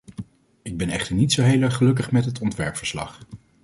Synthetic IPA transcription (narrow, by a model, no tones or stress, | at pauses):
ɪɡ̚bɛnɛ̰χtəɹnitsowɦejləχəlɵk̬əχmɛtɦətɔntʋɛɹpfəɹslɑ̰χ